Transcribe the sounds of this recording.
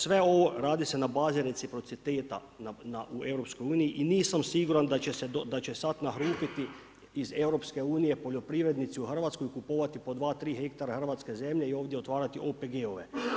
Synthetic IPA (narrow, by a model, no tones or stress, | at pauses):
sʋe̞o̞ʋo̞ɾaːd̪ise̞nabaːziɾe̞t̪ipɾo̞t̪sit̪eːt̪a̰ | nanaʔue̞wɾo̞psko̞juːnijiʔiniːsamsiɡuɾand̪at͡ɕesed̪od̪at͡ɕe̞sat̪naɦɾuːp̪it̪i | ize̞wɾo̞pske̞uːnije̞po̞ʎo̞pɾiʋɾe̞d̪nit̪siuxr̩ʋaːt̪skojikupoːʋat̪ipo̞d̪ʋaːt̪ɾiːɦek̚t̪aɾaxr̩ʋat̪ske̞ze̞mʎeio̞ːʋd̪jeo̞t̪ʋaːɾat̪iʔopeɡeoʋe̞̰